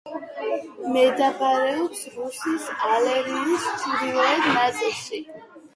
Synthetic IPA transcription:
mɛd̪aχaɾɛɔpsɾusisalɛɾinissʰuɾiɔɛd̪nat̪ʼɛʃi

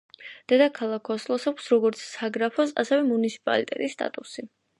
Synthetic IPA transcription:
d̪̥ɛd̪akʰalˠakʰːɔslˠɔsakʷsɾɔɡɔɾt̪sʰsaɡɾapʰɔsa̰sɛvɛmunit̪sʰi̥pʼa̰lit̪ʼɛ̰t̪ʼisːt̪ʼa̰t̪ʼusi

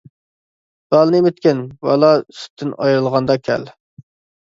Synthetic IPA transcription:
b̥ɑlˠnemɪt̪̚kʲɪnwɑ̰lˠɑsy̥t̪ʰːɪnɑjɾɨlˠʁɑnd̪ɑkʲʰɛ̰l

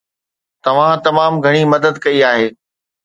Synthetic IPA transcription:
t̪ɐʋ̤ãt̪ɐmaːmɡʱɐɽ̃imɐd̪əd̪kɐiaːɦeː

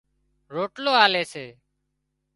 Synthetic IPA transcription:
ɾoːʈloːaːleːseː

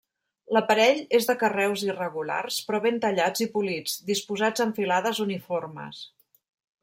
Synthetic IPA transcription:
ləpəɾɛʎezðəkərɛwzirəɣula̰rspɾɔβent̪əʎad͡zipulid͡zd̪ispuzad͡zəɱfilaðəzuniformə̰s

